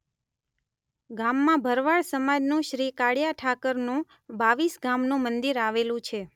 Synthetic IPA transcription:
ɡamːãbʱəɾʋaɭsəmad͡ʒnũʃɾikaɽjaʈʰakəɾnũ | baʋisɡamnũmənd̪iɾaʋelũt͡ʃʰe

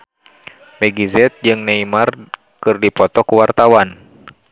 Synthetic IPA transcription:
mɛɡizɛt̪̚d͡ʒɨŋnaimar | kɨrdipɔt̪ɔkuwart̪awan

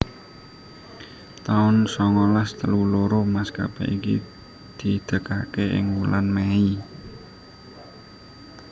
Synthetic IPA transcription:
t̪aʊnsɔŋɔlast̪əluloɾomaska̰pɛ̰ʔikḭ | d̪̥i̤d̪̥ə̤kakeʔɪ̰ŋwulanmɛi

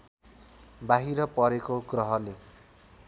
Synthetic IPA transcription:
baɦiɾʌpʌɾekoɡrʌɦʌle

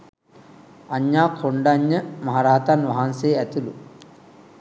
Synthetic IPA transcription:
aɲːaːkʰoɳɖaɲːəmɐɦaɾaːt̪anʋɐɦanseæt̪ulu

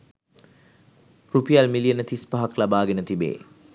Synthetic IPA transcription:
ɾupʰijalmiliɐnːɐtʰispɐɦɐklɐbaɡinɐtʰibḛ

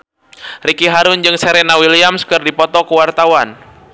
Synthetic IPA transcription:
rikiɦaɾʊnd͡ʒɨŋsɛɾɛnawiliamskɨrdipɔt̪ɔkuwart̪awan

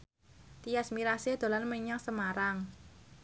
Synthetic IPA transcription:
t̪ijasmiɾased̪̥o̤lanmeɲaŋsəmaɾaŋ

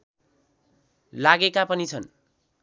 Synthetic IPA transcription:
laɡekapʌnit͡sʰʌn

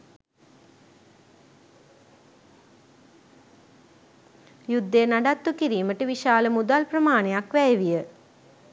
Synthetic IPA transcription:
jud̪ːejːnaɖat̪ːukiɾiːməʈəʋiʃaːləmud̪alprəmaːnejakʋɛjeʋijə

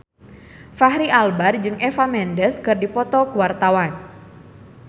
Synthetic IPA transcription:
faɦɾiʔalbard͡ʒɨŋʔɛfamɛndəskɨrdipɔt̪ɔkuwart̪awan

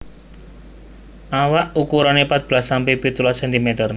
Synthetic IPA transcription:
ʔawaʔukuɾanepat̪̚b̥lasampepit̪ulasɛnt̪imet̪ərn

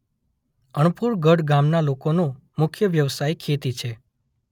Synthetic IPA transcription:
əɳ̃puɾɡəɽɡamnalokonõ | mʊkʰjəʋjəʋsajkʰet̪it͡ʃʰe

